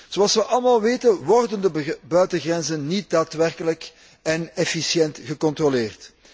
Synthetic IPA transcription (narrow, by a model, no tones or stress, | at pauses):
z̥oɑlˠsʋəʔɑlˠmaːlˠʋeːtənʋɔrdəndəbœɥtəɣrɛnzənːit̚daːtʋɛrkələk | ɛnɛfisjɛntɣəkɔnt̪roleːrt